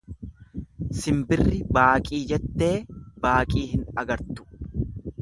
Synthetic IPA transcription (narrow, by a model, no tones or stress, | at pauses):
sɪmbɪrːɪbaːkʼiːd͡ʒɛt̪ːe̞ːbaːkʼiːhɪnɐɡɐɾt̪ʊ̥